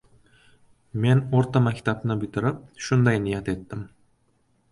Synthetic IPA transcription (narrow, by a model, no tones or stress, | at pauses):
me̞noɾt̪amakʲt̪ʰabnɪbɪt̪ʰɪɾɪp̚ʃʊnd̪ajnɪjat̪e̞t̪ːɪm